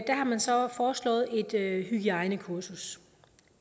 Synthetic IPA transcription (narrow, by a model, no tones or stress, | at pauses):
d̥æhɑ̈mænsɒ̽fɒːslɔ̰̽ːð̩ˠe̝d̥ɦyɡ̥iɑ̈ɪnəkʰuɐsus